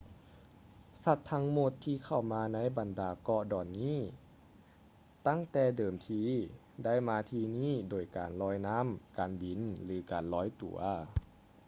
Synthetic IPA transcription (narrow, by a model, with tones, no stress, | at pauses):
sa˧˩t̪ʰːa˦˥ŋmo˧˩t̪ʰːiː˧kʰa˧˩wmaː˧na˧˥jba˨˩ndaː˨˩kɔ˧dɔː˨˩nːiː˥˨ | t̪a˥˩ŋt̪ɛː˧˩dɤː˨˩mt̪ʰiː˧ | da˥˩˨jmaː˧t̪ʰiː˧niː˥˩doː˨˩jkaː˨˩nlɔː˧˥jna˧˥˨mkaː˨˩nbi˨˩nlɯː˨˦kaː˨˩nlɔː˧˥jt̪ṵ˨˩ɐ